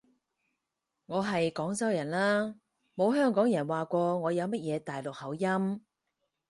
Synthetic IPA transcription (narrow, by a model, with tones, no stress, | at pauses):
ŋɔː˨˧ɦɐ˨jkɔː˨˥ŋsɐ˥wjɐ˨˩nlaː˥ | mo˨˧wɦœː˥ŋkɔː˨˥ŋjɐ˨˩nwaː˨kʷɔː˧ŋɔː˨˧jɐ˨˧wmɐ˥t̚jɛː˨˧t̪aː˨jlʊ˨k̚hɐ˨˥wjɐ˥m